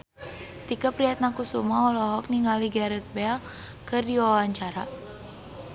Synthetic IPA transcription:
t̪ikapɾiat̪̚nakusumaɔlɔɦɔk̚niŋɡaliɡaɾɛt̪̚bɛl | kɨrdiwawaɲt͡ʃaɾa

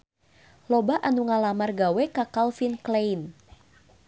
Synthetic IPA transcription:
lɔbaʔanuŋalamarɡawɛkakalfinklejn

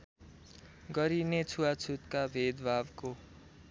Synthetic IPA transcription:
ɡʌɾinet͡sʰuwat͡sʰut̪kabʱed̪bʱabko

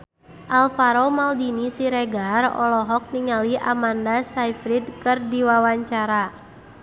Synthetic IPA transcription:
ʔalfaɾomaldinisiɾɛɡarɔ̰lɔɦɔk̚niŋaliʔamandasajfɾidkɨrdiwawaɲt͡ʃaɾa

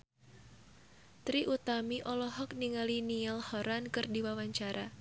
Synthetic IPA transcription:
t̪ɾiʔut̪amiʔɔlɔɦɔk̚niŋaliniɛlhɔɾankɨrdiwawaɲt͡ʃaɾa

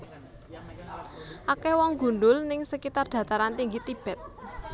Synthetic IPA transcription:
ʔakɛwɔŋɡṳɳɖʊlnɪŋsəkit̪ard̥ä̤t̪aɾant̪iŋɡit̪ib̥ɛt̪̚

